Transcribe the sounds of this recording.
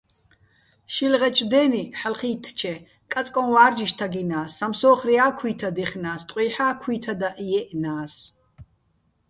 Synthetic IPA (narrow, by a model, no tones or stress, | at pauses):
ʃilʁɛt͡ʃʼd̪ɛːniħalχiːt̪ʰt͡ʃʰɛ | kʼat͡s̪ʼkʼɔnwaːɾd͡ʒiʃt̪ʰaɡinaːsːamsɔːχriaːkʰwiːt̪ʰad̪ɛχnaːst̪ʼqʼwiːħaːkʰwiːt̪ʰad̪aʔijɛʔnaːs